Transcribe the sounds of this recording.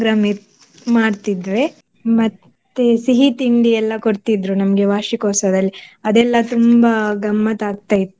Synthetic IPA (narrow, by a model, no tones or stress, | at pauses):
ɡɾaːmi | maːɽt̪id̪ʋe̞ | mɐt̪ː | esiɦit̪iɳɖiɛlːɐkoɽt̪id̪ɾunɐmɐɡe̞ʋaːʃikoːsɐd̪ɐlːiɐd̪ɛlːɐt̪umbaɡɐmːɐt̪aːɡ̚t̪aːjit̪ːu